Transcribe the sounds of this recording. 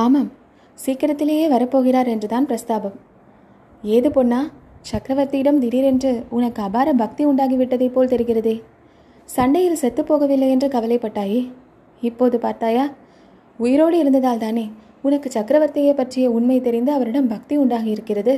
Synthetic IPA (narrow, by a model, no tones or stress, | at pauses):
aːmɐm | siːkɐɾɐt̪ːɪleːjeːʋɐɾɐpːoːɣɪɾaːɾɛndrɯt̪aːnpɾɐst̪aːbɐm | eːðɯponːaːt͡ʃɐkɾɐʋɐɾt̪ɪɪɽɐmt̪ɪɾiːɾɛndrɯʊnɐkːɯɐbaːɾɐbɐk̚t̪iʊɳɖaːɣiʋɪʈːɐðɐɪpːoːlt̪ɛɾɪɣɪɾɐðɯː | sɐɳɖɐjɪlsɛt̪ːɯpːoːɣɐʋɪlːɐjɛndrɯkɐʋɐlɐɪpːɐʈːaːji | ɪpːoːðɯpaːɾt̪aːjaː | ʊjɪɾoːɽɯɪɾɯnd̪ɐðaːlt̪aːneː | ʊnɐkːɯt͡ʃɐkɾɐʋɐɾt̪ɪjeːpɐʈrɪjɐʊnmɐɪt̪ɛɾɪnd̪ɯɐʋɐɾɪɽɐmbɐk̚t̪iʊɳɖaːɣijɪɾɯkːɪrɐðɯ